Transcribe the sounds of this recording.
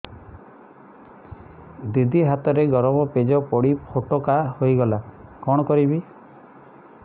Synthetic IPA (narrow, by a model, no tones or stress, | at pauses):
d̪id̪ʱiɦat̪ɔɾeɡɔɾɔmɔped͡ʒɔpɔɽipʰoʈokahojɡɔlakɔɽ̃ɔkɔɾibi